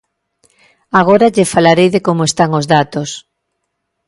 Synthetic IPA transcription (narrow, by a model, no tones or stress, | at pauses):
aɣ̞oɾaʎefalaɾejðekomoest̪aŋozðat̪os